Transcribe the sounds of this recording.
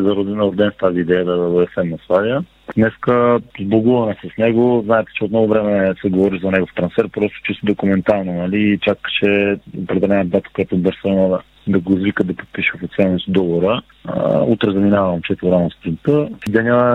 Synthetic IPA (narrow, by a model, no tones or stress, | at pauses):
zɐɾod̪ɛnɐɾoɾd̪ɛnst̪aziːd̪ɛjəd̪ɐoɛfsɛmnɐsvˠavjə | d̪nɛskəzblˠoɡuvɐnɛsəsnɛɡoznaɛt̪ɛ̥t͡ʃɛot̪nɔɡovɾɛmɛsɛɡovɔɾizɐnɛɡoft̪ɾɐnsfɛɾpɾɔst̪o̥t͡ʃist̪od̪okumɛnt̪alˠnonɐliːt͡ʃakt͡ʃɛopɾɛd̪ɛlɛnd̪at̪ə̥kojat̪obəɾsəiməd̪ | d̪ɐɡoizvikəd̪ɐpot̪̚piʃɛfot̪sɛnnisd̪ɔvoɾə | ut̪ɾɛzɐminavəmt͡ʃɛt̪ɾanost̪ɾint̪əsid̪ɛnʲə